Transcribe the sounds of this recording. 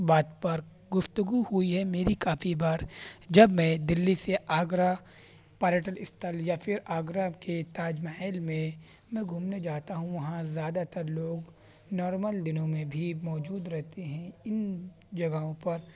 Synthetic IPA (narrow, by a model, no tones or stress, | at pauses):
baːt̪pɐɾ | ɡʊft̪əɡuhuiɦɛmeːɾikaːfʰibaːɾd͡ʒɐbmɛ̃ːd̪ɪlːiseʔaːɡɾa | paːɾeʈəlɪst̪ʰəljafʰɪɾaːɡɾaket̪aːd͡ʒmaɦɛːlmẽ | mɛ̃ɡʱuːmned͡ʒaːt̪aɦũʋɐɦãzjaːd̪at̪ɐɾloːɡ | nɔːɾməld̪ɪnõmẽbʱimɔːd͡ʒuːd̪ɾɛɦt̪eɦɛ̃ɪn | d͡ʒɐɡaõpɐɾ